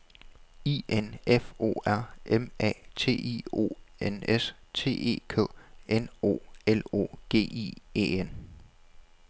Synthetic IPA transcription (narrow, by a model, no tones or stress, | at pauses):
iʔenefo̝̰ːæɐ̰emɛ̰ːt͡sʰe̝̰ːḭo̝̰ːenest͡sʰe̝̰ːe̝̰ːkʰɔ̰̽ːʔeno̝̰ːelo̝̰ːɡ̥e̝̰ːḭḛːen